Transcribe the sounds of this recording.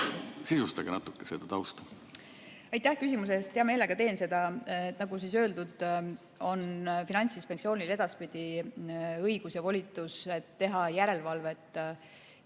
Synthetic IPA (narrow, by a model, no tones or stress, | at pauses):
sisust̪ɑɡ̥enɑt̪ːˑukːˑesed̪̥ɑt̪ɑwst̪ɑ̥ | ɑjt̪ːˑæhkysʲimus̬eest̪ːeɑmeːle̞ɡ̥ɑt̪e̞ːnse̞d̪̥ɑet̪ːˑnɑɡusiːsøːld̪ud̪̥ | o̞nfinɑnʲt̪sispenksio̞ːnʲile̞d̪̥ɑspid̪̥i | ɤjɡ̥usjɑvo̞lʲit̪ːˑuset̪ːe̞ɦɑjæɾe̞lvɑlve̞t̪ːˑ